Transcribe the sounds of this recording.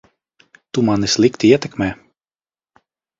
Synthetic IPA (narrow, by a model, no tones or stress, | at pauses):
t̪umanislˠikt̪iiɛt̪ɛkmɛː